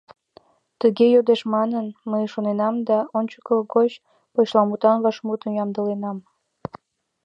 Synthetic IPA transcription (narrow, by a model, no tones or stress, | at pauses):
t̪əɣejod̪eʃmɑnənməjʃonenɑmd̪ɑonʲt͡ɕə̥kəɡot͡ɕ | poɕlɑmut̪ɑnβɑʃmut̪əmjɑmd̪əlenɑm